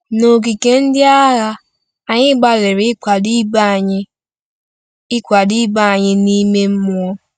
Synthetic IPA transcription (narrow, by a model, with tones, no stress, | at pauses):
no˨k̬i˨ke˦n̩˦dɪ˦a˦ɣa˦ | a˨ɲɪ˦ɡ͡ba˦le˨ɾɪ˦kʷa˨di˦ba˦˨ɲɪ˦ | ɪ˦kʷa˨di˦ba˦a˨ɲɪ˦ni˦me˦m̩˦mʊ˦ɔ˦